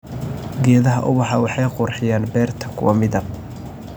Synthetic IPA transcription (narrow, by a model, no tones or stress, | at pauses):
ɡɛːðɐɦɐʔʊβɑħɑwɑħɑjqʊrħɪjaːnbɛːrt̪ʰɐkʰʊ̰wɐmɪðɐb̚